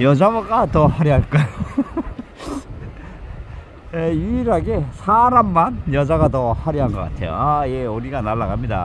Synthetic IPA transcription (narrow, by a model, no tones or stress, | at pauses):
jʌd͡ʑamaɡatʌhaɾiɦaɭk͈ajo | jeuiɾaɡesʰaɾamːanjʌd͡ʑaɡatʌhaɾiɦanɡʌk͈a̰tʰe̞jo̰ajeuɾiɡanaɭːaɡamɲida̰